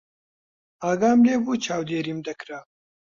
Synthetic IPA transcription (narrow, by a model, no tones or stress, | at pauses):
aːɡaːmleːbuːt͡ʃʰaːwd̪eːɾiːmd̪ɐkɾa